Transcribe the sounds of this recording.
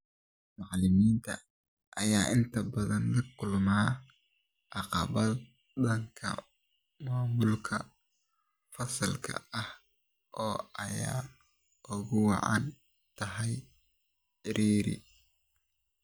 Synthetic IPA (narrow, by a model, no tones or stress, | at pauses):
mɑʕlɪmiːnt̪ʰɐ̰ | ʔɐjaːʔɪnt̪ʰɐbɐðɐnlɐkʰʊlmaː | ʔɑqɑβɐ | dɐŋkʰɐ̰ | maːmʊlkʰɐ | fɐsɐlkʰɐ̰ɐh | ʔɔːɐjaː | ʔʊɣʊwɑ̰ʕɑ̰n | t̪ʰɐɦɛj | ɪɾʔiːɾɪ̰